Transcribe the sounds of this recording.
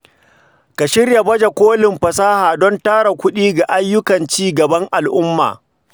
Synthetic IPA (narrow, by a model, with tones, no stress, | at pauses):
ka˨ʃɪ˦rja˨bɐ˦d͡ʒa˨kʷoː˦lɪ˨mɸɐ˨saː˦haː˨dɔ˦ntaː˦ɽa˨kʷʊ˦ɗiː˦ɡa˨ʔa˦jːʊ˦kɐ˨nt͡ʃiː˦ɡɐ˨bɐ˦ŋʔa˨lʔʊ˦mːa̰ː˨